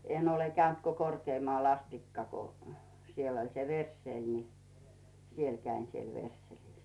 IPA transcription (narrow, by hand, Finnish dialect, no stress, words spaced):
en ole kæynt ko korkeːmŏɑˑl ɑstikːɑ ko siel olʲ se ʋersːeˑl ni siel kæin siel ʋersːelis